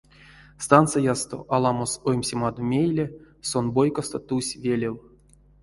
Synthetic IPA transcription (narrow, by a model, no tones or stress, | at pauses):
st̪ant̪sɨjast̪o̞̰ʔalˠɑmosojmʲsʲemɑd̪omʲejlʲe | sonbojkost̪ot̪usʲvʲelʲew